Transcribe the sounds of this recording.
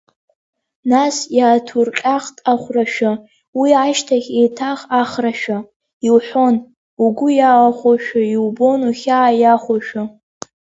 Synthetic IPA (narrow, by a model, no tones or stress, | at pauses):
nasjaːtʰurqʲʼaχtʼaχʷraʃᶣa | wiaʃtʰaχʲejtʰaχaχraʃᶣa | iwħʷon | uɡʷʊjawaχʷaʃᶣaiwbo̞nuχʲaːjaχʷaʃᶣa